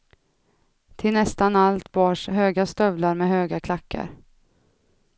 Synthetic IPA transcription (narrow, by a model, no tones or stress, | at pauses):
t̪ʰɪlnɛst̪analt̪bɑːʂɦøːɡast̪œvlaɾmɛɦøːɡakʰlakːa̰ɾ